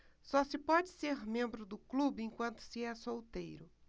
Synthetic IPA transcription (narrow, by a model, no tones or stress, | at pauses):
sɔsɪpɔd͡ʒɪseɾmẽmbɾʊd̪ʊklubɪẽj̃kwɐ̃nt̪ʊ̥sɪɛsowt̪ejɾʊ